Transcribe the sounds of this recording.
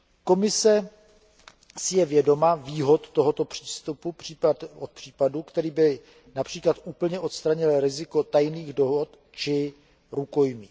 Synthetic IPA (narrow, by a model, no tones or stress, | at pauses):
ko̞mɪsɛ | sɪjɛvjɛdo̞maviːɦot̪ːo̞ɦot̪o̞pr̝̥iːst̪upuriot̪̚pr̥iːpadukt̪ɛɾiːbɪ | napr̝̥iːklat̪ʔuːpl̩ɲɛʔo̞t̪st̪ɾaɲɪlɾɪzɪko̞t̪ajniːɣdo̞ɦot̪ | t͡ʃɪ | ɾuko̞jmiː